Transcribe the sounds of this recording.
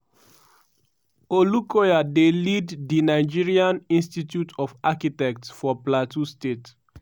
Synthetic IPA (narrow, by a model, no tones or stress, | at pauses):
olukɔjadeliddinaɪd͡ʒiɹiãnĩnstitjutʰɔfakitɛk̚tsfɔplatustet